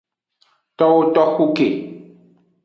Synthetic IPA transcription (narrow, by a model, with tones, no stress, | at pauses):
t̪ɔ˦wo˦t̪ɔ˦xu˦ke˨